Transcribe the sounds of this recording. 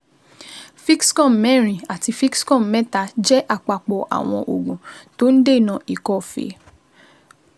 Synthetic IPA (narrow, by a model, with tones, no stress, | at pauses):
fi˦kskɔ̃˦˨mɛ˦˨ɾ̃ĩ˨a˨ti˧fi˦kskɔ̃˦˨mɛ˦ta˧d͡ʒɛ˦ʔa˦˨k͡pa˨k͡pɔ˨ʔa̰˨w̃ɔ̃˧ʔo˨ɡũ˨to˦n̩˦de˦˨nã˧˨i˨kɔ˦fḛ˨˦